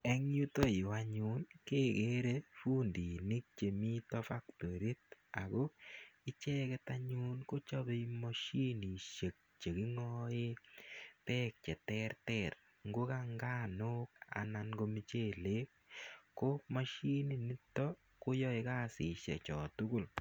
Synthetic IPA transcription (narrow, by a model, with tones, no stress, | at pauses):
ɛ˦ŋju˦to˦˨waɲu˦nkeː˦ke˦ɾe˦fu˦ndi˨ni˦k̚t͡ʃe˨mi˦tɔ˦fa˦kto˨ɾi˦ta˨ko˦i˦t͡ʃɛ˦kɛ˦ta˦ɲu˦nko˦t͡ʃɔ˦be˦mɔ˦ʃi˦ni˨ʃe˨k̚t͡ʃe˨ki˦ŋɔe˦tɛ˦k̚t͡ʃɛ˨tɛrtɛr | ŋɡo˦kaŋɡa˦no˦k̚a̰˨na˨nɡo˦mi˦t͡ʃe˦˨le˦k̚ːo˦ma˦ʃi˦ni˨ni˦tːɔ˦ | ko˦jɔ˦e˧ka˦sɪ˨ʃḛ˨t͡ʃɔ˨tʊ˦kʊ˦˨l